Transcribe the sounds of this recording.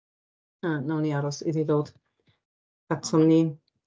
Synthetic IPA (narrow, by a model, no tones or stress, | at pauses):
anawniaɾɔsḭdiðoːwd̥ | atʰɔmni